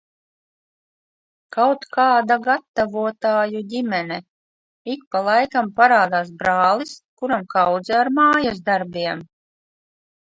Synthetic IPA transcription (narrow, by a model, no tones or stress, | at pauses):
kawt̪kaːd̪aɡat̪ːavuɔt̪aːjudʲimɛnɛ | ik̚palˠajkampaɾaːd̪aːsbɾaːlˠiskuɾamkawd̪zɛaɾmaːjasd̪aɾbʲiɛm